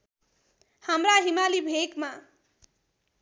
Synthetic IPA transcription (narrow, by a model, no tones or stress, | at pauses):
hamraɦimalibʱekma